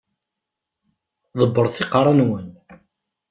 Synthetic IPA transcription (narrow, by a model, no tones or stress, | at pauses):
ðˤəbːəɾˤθiqɾˤɑnwən